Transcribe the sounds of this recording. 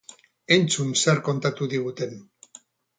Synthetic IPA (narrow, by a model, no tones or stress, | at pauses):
e̞nt͡sunseɾko̞nt̪at̪uðiɣ̞ut̪e̞n